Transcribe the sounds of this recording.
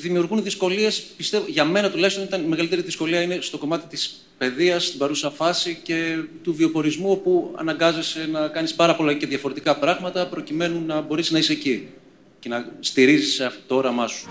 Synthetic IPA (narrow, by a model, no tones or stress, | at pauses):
ðimiuɾɣunðisko̞lie̞spist̪e̞voʝɐme̞nɐt̪ulɐçst̪o̞nit̪ɐnime̞ɣɐlit̪eɾiðisko̞liɐinest̪o̞ko̞mɐt̪i̥t̪i̥s | pe̞ðiɐst̪ibɐɾusɐɐfɐsice̞t̪uvio̞po̞ɾizmuo̞puɐ̰nɐŋɡɐze̞se̞nɐkɐnispɐɾɐpo̞lɐceðʝɐfo̞ɾe̞t̪ikɐpɾɐɣmɐt̪ɐpɾo̞cime̞nunːɐbo̞ɾesiznɐiseci | ce̞nɐst̪iɾizisɐt̪o̞ɾɐmɐsu̥